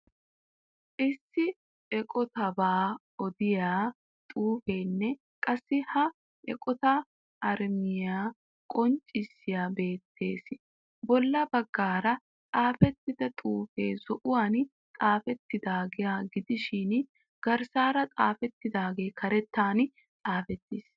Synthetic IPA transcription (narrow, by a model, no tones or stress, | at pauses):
ʔɪsːɪ | ɛkʼɔt̪ɐbaː | ɔd̪ɪjaː | t̪ʼuːfe̞ːnːɛ | kʼɐsːɪhɐ | ʔɛ̰kʼɔt̪ɐ | ɐɾmɪjaː | kʼɔnt͡ʃʼːɪsːɪjaːbe̞ːt̪ʰːe̞̰ːs | bɔlːɐbɐɡːaːɾɐ | t̪ʼaːfɛt̪ːɪd̪ɐt̪ʼuːfe̞̰ːzɔʔʊwaːn | t̪ʼaːfɛt̪ːɪd̪aːɡɪjaːɡɪd̪ɪʃɪn | ɡ̥ɐɾsaːɾɐt̪ʼaːfɛt̪ːɪd̪aːɡe̞ːkʰɐɾɛt̪ːaːn | t̪ʼaːfɛt̪ːɪs